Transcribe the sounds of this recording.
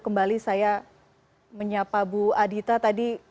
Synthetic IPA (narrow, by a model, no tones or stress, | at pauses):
kəmbalisaja | məɲapabuadit̪at̪adi